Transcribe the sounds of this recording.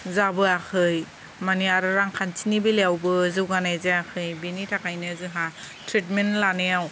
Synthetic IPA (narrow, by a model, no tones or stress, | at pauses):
zabɯakʰɯj | maniaɾɯɾaŋkʰantʰinibileawbɯzɯwɡanajzaakʰɯjbinitʰakajnɯzɯɦa | tʰɾitmenlanejaw